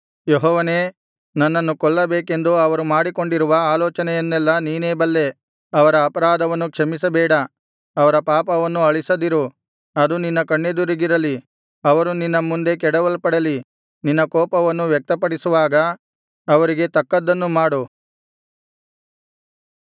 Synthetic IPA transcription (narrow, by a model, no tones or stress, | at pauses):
jeɦɔːʋɐne̞ː | nɐnːɐnːukɔɭːɐbeːke̞nd̪uɐʋɐɾumaːɽiko̞ɳɖiɾuʋɐaːlɔːt͡ʃɐnɛjɐnːɛlːɐniːneːbɐlːe̞ | ɐʋɐɾɐːpɐɾaːd̪ɐʋɐnːukʂɐmis̬ɐbɛːɽɐ | ɐʋɐɾɐpaːpɐʋɐnːuɐɭisɐd̪iɾu | ɐd̪uninːɐkɐɳːed̪uɾiɡiɾɐli | ɐʋɐɾuninːɐmund̪e̞k̬ɛɽɐʋɐlpɐɽɐli | ninːɐkɔːpɐʋɐnːuʋjɛk̚t̪ɐpɐɽisuʋaːɡɐː | ʋɐɾiɡe̞t̪ɐkːɐd̪ːɐnːumaːɽu